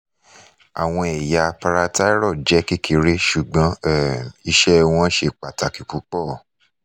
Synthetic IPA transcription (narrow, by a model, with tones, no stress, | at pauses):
a̰˨w̃ɔ̃˧ɛ˨ja˧pa˧ɾa˧ta˦ɾɔ˦˨d͡ʒɛ˨˦ki˦kʰi˧ɾe˦ʃu˨ɡ͡bɔ̃˨˦ɛ˦˨i˦˧ʃɛ˦w̃ɔ̃˧˦ʃe˧k͡pa˨ta˨ki˨k͡pu˨˦k͡pɔ˦˨